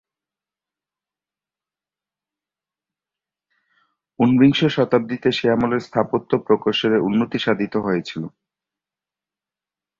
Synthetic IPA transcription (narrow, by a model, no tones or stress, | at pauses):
unbiŋʃoʃɔt̪ab̚d̪it̪eʃeamoleɾst̪ʰapot̪ːopɾokoʃoɾeunːot̪iʃad̪ʱit̪oɦoet͡ɕʰilo